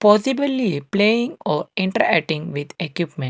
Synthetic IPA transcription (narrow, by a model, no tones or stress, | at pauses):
pɔːsibəlipleːĩŋɔːɾĩɳʈɾəɾæk̚ʈĩŋɡʋid̪ekjuːpmẽɳʈ